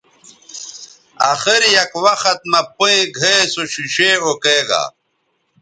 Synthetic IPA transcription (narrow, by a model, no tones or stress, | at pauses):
axiɾjɐkwɐxɐt̪̚mɐpoẽɡʱeesoɕuɕeokeːɡa̰